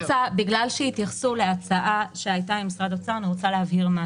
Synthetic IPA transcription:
t͡sabiɡlalʃeit̪jaχsuleat͡saʔaʃeajtamimisʁad̪ot͡saʁaniʁot͡saleɦavhiʁma

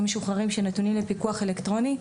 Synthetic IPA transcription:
meʃuχaʁimʃenot̪unimlepikuaχelektʁo̞ni

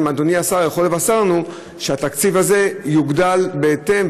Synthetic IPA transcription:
mad̪oniasaʁjeχo̞levasaʁnu | ʃeat̪akt͡sivaze̞juɡdalbe̞ːte̞m

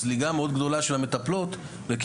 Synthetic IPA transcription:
zliɡameo̞d̪ɡd̪o̞laʃe̞lhame̞t̪aplot̪ | leki

